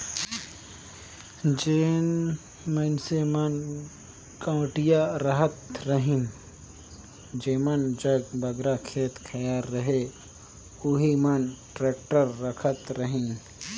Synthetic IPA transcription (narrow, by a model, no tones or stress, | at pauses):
d͡ʒeːn | mənsemɐn | kə̃ːʈijaɾəɦət̪ɾəɦĩn | d͡ʒeːmənd͡ʒəɡbɐɡɾakʰeːt̪kʰɐjaːɾːəɦe | uɦimɐnʈɾeːk̚ʈəɾːəkʰət̪ɾəɦĩn